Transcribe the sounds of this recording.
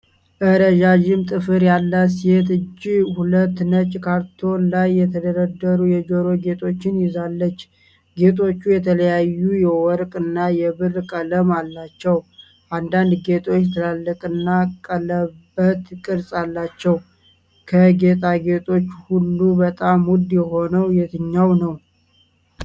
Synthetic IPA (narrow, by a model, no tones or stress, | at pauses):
ʔəɾəʒaʒɪmt̪ʼɨfɨɾjalːəsihet̪ɨd͡ʒːihulət̪ːnət͡ʃʼkʰaɾt̪ʰo̞nlajːɛt̪ʰəd̪əɾəd̪ːəɾujɛd͡ʒoɾo̞ɡe̞t̪ʰʼo̞t͡ʃːɪnjɪzalːət͡ʃː | ɡe̞t̪ʰʼo̞t͡ʃːujɛt̪ʰələjajːujɛwɔɾkʼɨnːajɛβɨrkʼələmalːat͡ʃːɛw | ʔand̪and̪ɡe̞t̪ʰʼo̞t͡ʃːɛt̪ʰəlalːəkʼɨnːakʼələbət̪kʼɨɾsʼalːat͡ʃːɛw | kʰəɡe̞t̪ʼaɡe̞t̪ʰʼo̞t͡ʃːhulːubət̪ʼamwud̪jɛɦo̞nəwjɛt̪ʰɨɲːawnəw